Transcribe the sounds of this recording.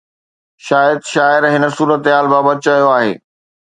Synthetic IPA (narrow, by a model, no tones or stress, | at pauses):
ʃaːjəd̪ʃaːɪɾɦɪnə̆suːɾət̪ɦaːlbaːbəd̪̚t͡ɕaɦijoaːɦḛː